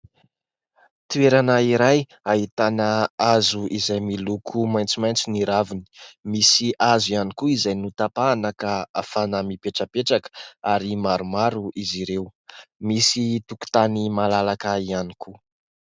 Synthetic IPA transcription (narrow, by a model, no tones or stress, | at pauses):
t̪ueɾanəiɾaj | aɦit̪anəazuizajmilukʰumajnt͡simajnt͡siniɾavini̥misiʔazianikuizajnut̪apaːnəkaa̰fanəmipeʈ͡ʂəpeʈ͡ʂakə̥aɾimaɾumaɾuʔiziɾewmisit̪uku̥t̪animalalakəianikʰu